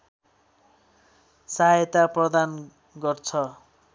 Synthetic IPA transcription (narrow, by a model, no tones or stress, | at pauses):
saɦjt̪aprʌd̪an | ɡʌrt͡sʰʌ